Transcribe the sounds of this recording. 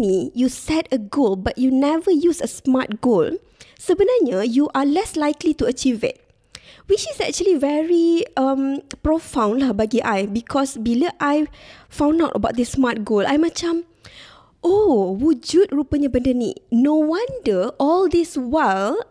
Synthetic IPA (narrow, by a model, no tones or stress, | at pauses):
mijusɛtəɡolbat̚junɛvəjusəsmat̚ɡol | səbənaɲəjuʔalɛslajklituət͡ʃivɪ̰t̚ | wit͡ʃisɛk̚t͡ʃuəlivɛɹiãmpɹofãw̃nlahbaɡiʔajbikʰɔsbiləʔajfãw̃nawtəbaʊt̚disːmat̚ɡola̰jmət͡ʃãm | ʔowud͡ʒut̚ɹupəɲəbə̃ndənḭnowãndəʔɔldiswal